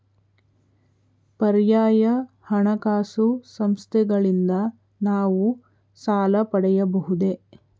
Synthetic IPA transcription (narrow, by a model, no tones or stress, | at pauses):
pɐɾjaːjɐ | hɐɳɐkaːsusɐmst̪ʰɛɡɐɭind̪ɐ | naːʋu | saːlɐpɐɽɛjɐbɐɦud̪e̞